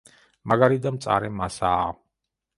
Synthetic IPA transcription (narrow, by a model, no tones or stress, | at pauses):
maɡaɾid̪amt̪sʼa̰ɾɛmasaː